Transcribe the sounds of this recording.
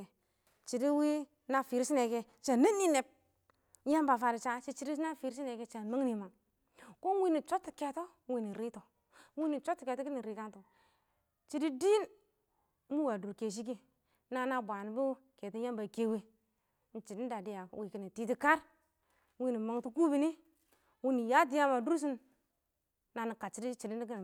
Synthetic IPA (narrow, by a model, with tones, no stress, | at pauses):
t͡ʃi˨di˦wi˦ | na˦fi˨ɾi˦si˦ne˨ke˦ | t͡ʃa˨ni˦ni˦ne˨p̚ | ja˦mba˨fa˨ɾi˨t͡ʃa˦t͡ʃi˦t͡ʃi˦di˦sna˦fi˨ɾi˦si˦ne˨ke˦t͡ʃa˨ma˦ŋ˦ni˨ma˨ | ko˦wi˦ni˨t͡ʃo˦tːi˨ke˨to˦ | wi˦ni˨ɾi˦to˨˦ | wi˦ni˨t͡ʃo˦tːi̥˨ke˨to˦ki˦ni˨ɾi˨ka˦nto˨ | t͡ʃi˨di˦di˦n˦ | mu˦wa˨du˨ɾke˨ʃ̬i˦k̬i˦ | na˨na˦bʷa˨ni˨bu˦ke˨ti˦ja˦mba˨ke˦we˦ | n̩˨t͡ʃi˨di˦n˦da˨di˦ja̰˨˦wi˨ki˦ni˨ti˦ti˦ka˦ɾ | wi˦ni˨ma˨ŋtu˦ku˦bi˨˦ni˦ | wu˦ni˨ja˦d̬i˦ja˦ma˨du˦ɾs̬i˦n | a˨ni˨ka˨t͡ʃi˨di˦t͡ʃi˨di˦i˦ki˦n˨